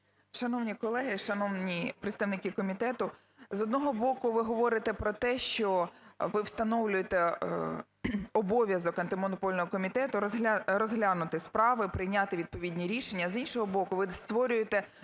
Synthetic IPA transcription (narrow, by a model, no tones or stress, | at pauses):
ʃɐnɔwnʲikɔlˠɛɦɪʃɐnɔwnʲipɾet̪st̪ɐʋnɪkʲɪkɔmʲit̪ɛt̪ʊ | zɔd̪nɔɦɔbɔkʊʋɪɦɔʋɔɾɪt̪ɛpɾɔt̪ɛʃt͡ʃɔʋɪwst̪ɐnɔwlʲʊjet̪ɛ | ɔbɔʋʲjɐzɔkɐnt̪ɪmɔnɔpɔlʲnɔɦɔkɔmʲit̪ɛt̪ʊɾɔzɦlʲɑnʊt̪ɪspɾɑʋɪpɾɪjnʲɑt̪ɪʋʲid̪̚pɔʋʲid̪ʲnʲiɾʲiʃenʲːɐzinʃɔɦɔbɔkʊʋɪst̪ʋɔɾʲʊjet̪ɛ